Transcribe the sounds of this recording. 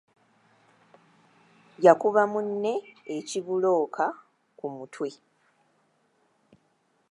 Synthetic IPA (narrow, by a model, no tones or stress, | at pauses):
jakuβamunːe̞ːciβulo̞ːkʰa | kumutʰwe̞